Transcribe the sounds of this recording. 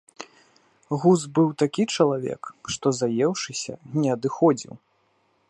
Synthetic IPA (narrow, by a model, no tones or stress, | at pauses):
ɣuzbɨwt̪akʲit͡ʂɐlˠavʲɛ̰kʂt̪ɔzajɛwʂɨsʲɐ̰nʲɛɐd̪ɨxɔd͡zʲḭw